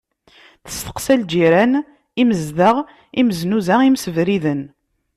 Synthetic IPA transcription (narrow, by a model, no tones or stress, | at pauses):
θə̥st̪ə̥qsæld͡ʒiɾæn | iməzðəʁ | iməznuzæimsəvɾiðən